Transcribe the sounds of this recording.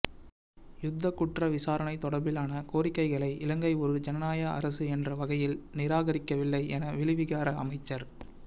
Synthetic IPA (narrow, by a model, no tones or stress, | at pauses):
jʊd̪ʱːɐkʊʈrɐʋɪsaːɾɐnɐɪt̪ːɔɽɐɾbɪlaːnɐkoːrɪkːɐɪɣɐɭɐɪɪlɐŋɡɐɪɔɾɯd͡ʒɛnɐnaːjaɐ̰ɾɐsɯɛndrɐʋɐɣɐjɪlnɪɾaːɣɐɾɪkːɐʋɪlːɐɪʔɛnɐʋɪɭɪʋɪɣaːɾɐɐmɐɪt͡ʃːɐɾ